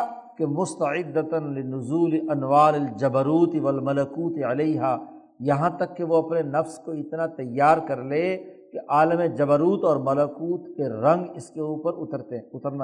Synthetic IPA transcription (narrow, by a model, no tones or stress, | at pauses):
kemʊst̪ɐʕɪd̪ːət̪nlɪnʊzuːlɪʔɐnʋaːɾɪld͡ʒɐbəɾuːt̪ɪʋɐlmɐlɐkuːt̪iɐleiɦaː | jɐɦãt̪ɐkːeʋoɐpnenɐfskoɪt̪nat̪ɐjːaːɾkɐɾleːkeʔaːləmed͡ʒɐbəɾuːt̪ɔːɾmɐlɐkuːt̪keɾɐ̃ŋɡɪskeuːpəɾʊt̪əɾt̪eʊt̪əɾna